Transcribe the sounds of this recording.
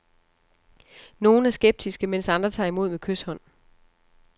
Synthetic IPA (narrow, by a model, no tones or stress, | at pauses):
no̝ːn̩æɐsɡ̥eb̥̚d̥isɡ̥əmen̰sɑ̈nd̥ʁɐt͡sʰɑ̰̈ːimo̝ð̞̰ˠmekʰøshɒ̽n̰